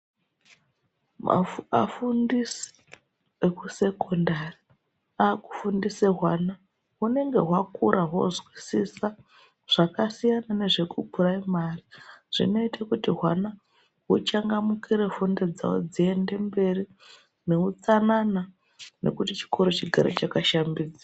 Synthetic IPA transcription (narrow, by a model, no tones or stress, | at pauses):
a̰fundisi̥ | ekuse̞kondari | aku̥fundiseɦwana | une̞ŋɡe̞ɦwakuɾaɦo̞̰zwisisa | ʐ̥akasijanane̞ʐe̞kupuraimariʐ̥ḭno̞itakutiɦwana | ɦut͡ʃaŋɡamukiɾe̞funded͡za̰wo̰d͡zie̞nde̞mbe̞ri | ne̞ut͡sanana | ne̞̰kutit͡ʃi̥koɾot͡ʃiɡʱa̰ɾḛt͡ʃakaʃambiːd͡zi